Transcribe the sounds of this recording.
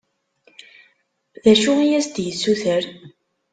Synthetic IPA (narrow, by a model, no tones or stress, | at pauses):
ðæʃuijæst̪jəsːuθəɾ